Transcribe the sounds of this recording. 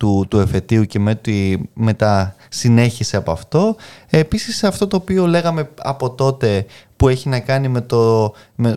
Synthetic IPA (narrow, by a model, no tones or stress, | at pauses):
t̪ut̪ue̞fe̞t̪iuce̞met̪ime̞t̪ɐ | sine̞çisieɐpoɐft̪o̞e̞pisiseɐft̪o̞t̪o̞ːpio̞le̞ɣɐme̞ɐ̰po̞t̪o̞t̪e̞pueçinɐkɐnime̞t̪o | me